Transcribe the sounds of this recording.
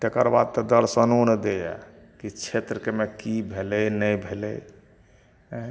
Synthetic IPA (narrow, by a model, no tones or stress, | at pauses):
t̪ekəɾbad̪̚t̪ɔd̪əɾsənond̪eja̰ | kit͡ʃʰet̪ɾəkemekibʱelɛjnəjbʱelɛ̰j